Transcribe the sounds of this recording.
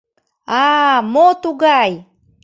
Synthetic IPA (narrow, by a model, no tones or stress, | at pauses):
amot̪uɡaj